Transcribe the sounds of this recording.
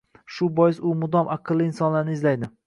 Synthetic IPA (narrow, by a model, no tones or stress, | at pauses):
ʃʊbɒjɪsʊmʊd̪ɒmʔɑqʰɨlːɪɪnsɒnlaɾnɪːzlajd̪ɪ